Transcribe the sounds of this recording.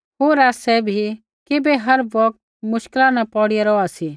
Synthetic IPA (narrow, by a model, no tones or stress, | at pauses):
ɦoːɾaːsɛbʱi | kɪbɛɦɐɾʋɔk̚t̪̚ | mʊʃklãnapɔːɽijaɾɔasi